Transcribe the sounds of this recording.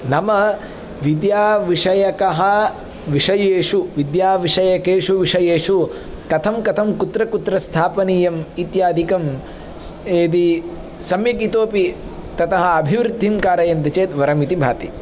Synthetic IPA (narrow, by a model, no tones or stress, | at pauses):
nɐmɐ | ʋid̪jaːʋiʂɐjɐkɐɦɐ̆ | ʋiʂɐjeːʂuʋid̪jaːʋiʂɐjɐkeːʂuʋiʂɐjeːʂu | kɐt̪ʰɐmkɐt̪ʰɐmkut̪ɾɐkut̪ɾɐst̪ʰaːpɐniːjɐmit̪jaːd̪ʱikɐm | eːd̪i | sɐmjɐkit̪oːpi | t̪ɐt̪ɐɦɐ̆ɐbʱiʋɾud̪ʱːimkaːɾɐjɐnt̪ɐt͡ʃeːt̪ʋɐɾɐmit̪ibʱa̰ːt̪i